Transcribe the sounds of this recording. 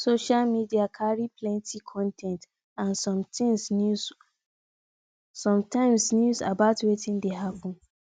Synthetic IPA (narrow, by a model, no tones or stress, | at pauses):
soʃalmidiakʰaɹipʰlɛ̃ntʰikʰɔ̃ntʰɛ̃nt | ãnsɔ̃mtĩŋsnu | sɔ̃mtãɪ̃msnjuza̰baʊtwetĩndeɦapɔ̃n